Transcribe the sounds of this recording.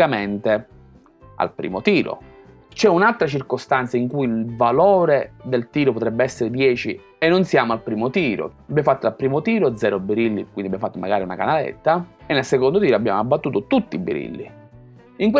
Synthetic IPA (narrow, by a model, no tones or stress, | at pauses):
ament̪e | a̰lpɾḭːmot̪iːɾo̰ | t͡ʃɛunalt̪ɾat͡ʃirkost̪ant̪saiŋkujilvaloːɾed̪elt̪iːɾopot̪ɾɛbːeɛsːeɾed̪jɛːt͡ʃi | enːonsjaːmoalpɾiːmot̪iːɾo̰abjamofat̪ːoalpɾiːmot̪iːɾod̪zɛːɾobiɾilːikwind̪iabjamofat̪ːomaɡaːɾiunakanalḛt̪ːaenːelsekond̪ot̪iːɾoabːja̰ːmoabːat̪ːuːt̪ot̪ut̪ːiːbːḭɾḭlːḭ | iŋkw